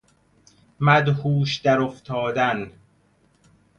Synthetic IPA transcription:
mæd̪huːʃd̪æɾoft̪ʰɒːd̪æn

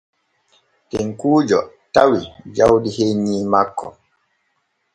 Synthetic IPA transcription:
tɛŋkuːd͡ʒɔ | tawid͡ʒawdiheɲiːmakːɔ̰

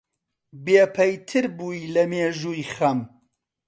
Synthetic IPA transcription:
beːpʰɐjt̪ʰɨɾbuːilɐmeːʒuːjxɐm

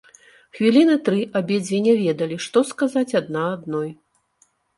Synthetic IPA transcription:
xvʲilʲinɨt̪ɾɨʔabʲɛd͡zʲvʲenʲɛvʲɛd̪ɐlʲiʂt̪ɔskazat͡sʲad̪̚naːd̪nɔj

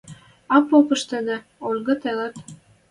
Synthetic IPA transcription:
ɑpːopɤ̆ʃt̪ɤ̆nĕ | onɡɤ̆t̪ĕlə̆t̪

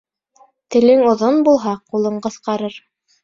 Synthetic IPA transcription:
t̪ɘ̆lɘŋŏðonbulˠɦɑqulˠɤɴqɤ̆θqɑɾɤɾ

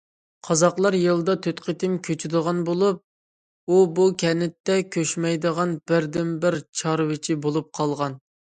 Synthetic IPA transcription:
qʰɑzɑqlˠɑɾjɨlˠd̪ɑt̪ʰøt̪qʰət̪ʰɪmkʲʰøt͡ʃʰyd̪əʁɑnbolˠup̚ | ubukʲʰɛnɪt̪ːɛkʲʰøʃmɛjd̪əʁɑnbɪɾd̪ɪnbɪɾt͡ʃʰɑɾwɪt͡ʃʰibolˠup̚qʰɑlˠʁɑn

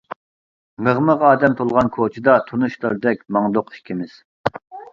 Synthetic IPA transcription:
məʁməʁɑːd̪ɛmt̪ʰolˠʁɑnkʰot͡ʃʰid̪ɑt̪ʰunuʃlˠəɾd̪ɛkʲmɑŋd̪oqʰi̥ʃkʲʰimɪz̥

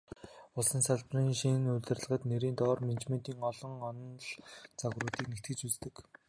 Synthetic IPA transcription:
ʊɮsə̆nsaɮpriːŋʃinnuɮʲt̪ɘ̆rɮə̆ʁə̆t̪neɾiːnt̪ɔːrment͡ɕmen̥t̪iːŋɔɮɞ̆ŋɔnɞ̆nɮt͡saɣrʊːt̪iːknext̪ɡɘ̆t͡ɕut͡st̪ɘ̆k

